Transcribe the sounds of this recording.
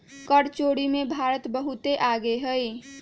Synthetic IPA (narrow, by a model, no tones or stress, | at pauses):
kəɽt͡ʃoɽimebʱaɾət̪bəɦut̪eʔaɡeɦəj